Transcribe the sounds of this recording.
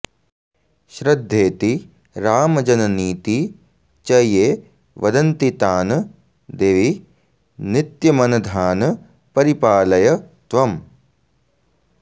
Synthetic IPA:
ʃɾɐd̪ʱːeːt̪i | ɾaːmɐd͡ʒɐnɐniːt̪i | t͡ʃɐjeː | ʋɐd̪ɐnt̪it̪aːn | d̪eːʋi | nit̪jɐmɐnɐd̪ʱaːnɐ | pɐɾipaːlɐjɐ | t̪ʋɐm

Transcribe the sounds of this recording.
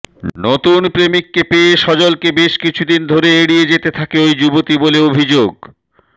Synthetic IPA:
not̪unpɾemikːepeeʃɔd͡ʑolkebeʃkit͡ɕʰud̪ind̪ʱoɾeeɽied͡ʑet̪et̪ʰakeojd͡ʑubot̪iboleobʱid͡ʑoɡ

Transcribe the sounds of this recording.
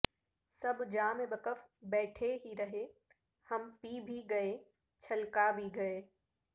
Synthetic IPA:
sɐbʱd͡ʒaːmẽbɐkəfbɛːʈʰeɦiɾɐɦe | hɐmpiːbʱiɡɐe | t͡ʃʰɐlkabʱiɡɐeː

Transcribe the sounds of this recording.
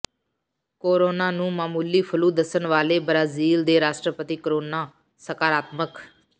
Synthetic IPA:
koːɾoːnaːnũːmaːmuːliːpʰəluːd̪əsənʋaːleːbɾaːziːld̪eːɾaːsʈɾəpət̪iːkəɾoːnaː | səkaːɾaːt̪mək

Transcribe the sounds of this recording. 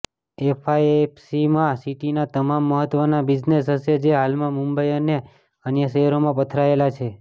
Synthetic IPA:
efʰajepsimãsiʈinat̪əmamːəɦət̪ʋənabid͡ʒnesɦəʃed͡ʒeɦalmãmũmbəjəne | ənjəʃəɦɾomãpət̪ʰɾaelat͡ʃʰe

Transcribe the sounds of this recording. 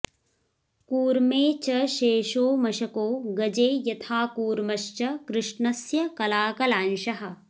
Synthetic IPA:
kuːɾmeːt͡ʃɐʃeːʃoːmɐʃɐkoːɡɐd͡ʒeːjɐt̪ʰaːkuːɾmɐʃt͡ʃɐkɾɪʂɳɐsjɐkɐlaːkɐlaːnʃɐɦɐ̆

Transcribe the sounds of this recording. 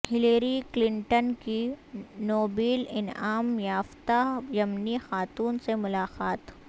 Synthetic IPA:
hɪleːɾiklɪ̃ɳʈənkinoːbiːlɪnaːmjaːft̪ajɐmnixaːt̪uːnsemʊlaːqaːt̪ː

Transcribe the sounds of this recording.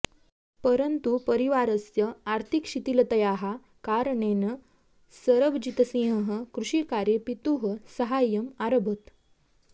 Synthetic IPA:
pəɾənt̪upəɾiʋaɾəsjəaɾt̪ʰikɕit̪ilət̪əjaɦa | kaɾɳenə | səɾəbd͡ʑit̪əsĩɦəɦəkɾuʂikaɾjepit̪uɦəsəɦajəmaɾəbʱət̪

